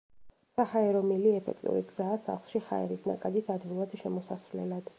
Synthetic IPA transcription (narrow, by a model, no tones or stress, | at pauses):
sahaɛɾɔmiliɛpʰɛ̰kʰt̪ʼṵɾiɡz̥aːsa̰χlˠʃiha̰ɛ̰ɾisna̰kʼad̪isad̪vilˠad̪̥ʃɛmɔsasɾlɛ̰lad̪̥